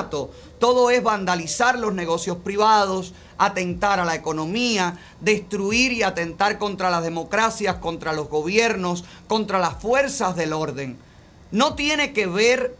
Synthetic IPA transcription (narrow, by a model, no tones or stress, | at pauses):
t̪o̞ | t̪o̞ðo̞e̞zβand̪alisaɾlo̞sne̞ɣ̞o̞sjo̞spɾiβaðo̞s | at̪e̞nt̪aɾalaeko̞nõ̞mia | ðe̞st̪ɾuiɾiat̪e̞nt̪aɾko̞nt̪ɾalazðe̞mo̞kɾasjasko̞nt̪ɾalo̞zɣo̞β̞je̞ɾno̞s | ko̞nt̪ɾalasfwe̞ɾsazðe̞lo̞ɾðe̞ŋ | no̞t̪je̞ne̞ke̞βe̞ɾ